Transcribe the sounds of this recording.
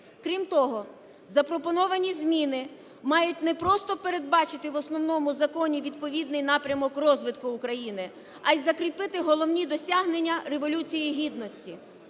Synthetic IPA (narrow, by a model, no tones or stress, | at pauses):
kɾʲimt̪ɔɦɔ | zɐpɾɔpɔnɔʋɐnʲizʲmʲinɪ | mɑjʊtʲnɛpɾɔst̪ɔpeɾe̞d̪̚bɑt͡ʃɪt̪ɪʋɔsnɔwnɔmʊzɐkɔnʲiʋʲid̪pɔʋʲid̪nɪjn̪ɑpɾʲɐmɔkrɔzʋɪt̪kʊːkɾɐjinɪ | ɐjzɐkɾʲipɪt̪ɪɦɔlˠɔwnʲid̪ɔsʲaɦnenʲːɐreʋɔlʲut͡sʲijiɦʲid̪nɔsʲtʲi